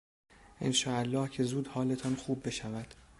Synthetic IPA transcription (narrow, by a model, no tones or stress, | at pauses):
ʔḛnʃɒːælːɒːhcʰe̞zuːd̪hɒːle̞t̪ʰɒnxuːbːe̞ʃævæd̪̥